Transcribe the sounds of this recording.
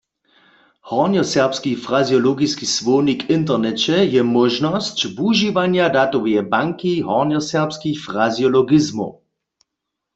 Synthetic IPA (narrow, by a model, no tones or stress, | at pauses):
hɔʁnjɔsɛʁpskifʁazjɔlɔɡiskisʋɔːnikɪnt̪̬ɛʁnɛt͡ɕɛjɛmɔʒnɔscvuʒiʋaɲjadat̪ɔwjɛbaŋkiɦɔnjɔsɛʁpskixfʁazjɔlɔɡɪzmo̰